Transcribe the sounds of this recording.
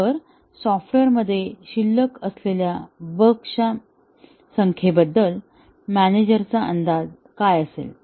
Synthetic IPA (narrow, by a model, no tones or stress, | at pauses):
əɾ | sɔfʈeɾməd̪ʱːjeɕilːəkəsleljabəkʂa | səŋkʰebəd̪ːəl | mæned͡ʑəɾt͡saʔə̰nd̪ad͡z | kajəsḛl